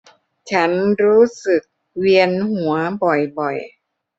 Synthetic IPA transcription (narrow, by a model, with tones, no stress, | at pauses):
t͡ɕʰa˦˥nɾuː˦˥sɯ˨˩k̚ | wi˧ənhu˩˦ɐbɔ˨˩jbɔ˨˩j